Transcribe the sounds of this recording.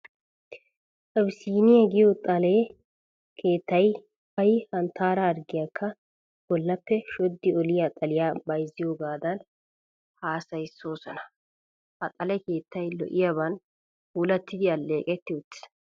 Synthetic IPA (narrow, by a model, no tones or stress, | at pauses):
ʔɐbsiːnɪjɐɡɪjot̪ʼɐle | kʰe̞ːt̪ːɐj | hɐjhɐnt̪ʰːaːɾɐːɾɡɪjakʰːɐ | b̥ɔlːɐpːɛʃɔd̪ːɪɔlɪjat̪ʼɐlɪjaːbɐjzːɪjoːɡaːd̪ɐn | haːsɐjsːo̞ːsɔnɐ | hɐt̪ʼɐlɛke̞ːt̪ʰːɐjlɔ̰ʔɪjaβɐn | huːlɐt̪ːɪd̪ɪɐlːe̞ːkʼɛt̪ːɪʊt̪ːɪ̥s